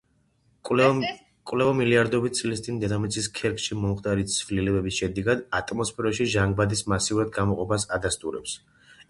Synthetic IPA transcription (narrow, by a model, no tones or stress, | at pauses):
kʼwlɛvamiliaɾd̪ɔbit̪̚t̪sʼlist̪sʼind̪ɛd̪amɛt̪sʰiskʰɛɾkʃimɔmχt̪ʼaɾit̪sʰvlilɛbɛbisʃɛd̪ɛɡad̪at̪ʼmɔspʰɛɾɔʃiʒaŋɡ̚bad̪ismasiuɾad̪ɡamɔqʼɔpʰasad̪ast̪ʼuɾɛ̰ps